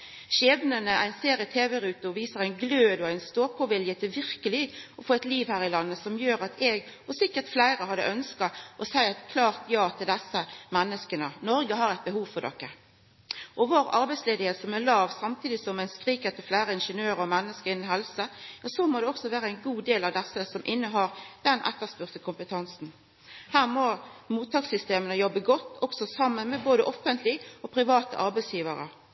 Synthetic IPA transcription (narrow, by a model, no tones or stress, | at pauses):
ʃeːʋnənəʔæ̰ɪnseːɾɪt̪ʰeːʋɛɾʉːt̪ʊɔʋiːsəʁæɪnɡløːd̪ɔæɪnst̪oːpʰɔʋɪljət̪ʰɪlʋɪʁkəlɪɡɔfoːɛɪt̪liːʋhæːɾɪlɑnːəsɔmjøːɾɑt̪ʰɛːɡɔsɪkːəʁt̪flæɪɾəhɑd̪ːə̰ʔœnskɑʔɔsæɪæt̪kʰlɑːʁt̪ʰjɑːt̪ʰɪld̪ɛsːəmɛnːəskənənɔɾɡəhɑɾɛɪt̪̚bəhuːʋfɔʁdɔ̰kːə | ʔɔʋoːʁɑɾbɛɪsleːd̪ɪheːt̪sɔmælɑːʋsɑmt̪ʰiːd̪ɪsɔmæɪnskʁiːkət̪ʰɪlflæːɾəɪnʂənøːɾəɾɔmɛnːəskəʁɪnːənɦɛlsəjɑsɔmoːd̪ɛɔksɔʋæːɾəæɪnɡuːd̪eːlɑʋd̪ɛsːəsɔmʔɪnːəɦɑːʁd̪̥ɛnʔɛ̰t̪ːəʁspʉʁt̪əkʰʊmpət̪ʰɑnsn̩ | hæːʁmɔmuːt̪ʰːɑːksʏst̪eːmənəjɔbːəɡɔt̪ːɔksɔsɑmːənmɛboːd̪əʔɔfənt̪ʰlɪɔpʰɾɪʋɑːt̪ə̰ʔɑɾbɛɪsjiːʋəɾə̰